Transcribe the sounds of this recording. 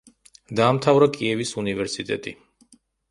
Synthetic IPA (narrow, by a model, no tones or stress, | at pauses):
d̪aːmt̪ʰavɾakʼiɛvisunivɛɾsit̪ʼɛ̰t̪ʼḭ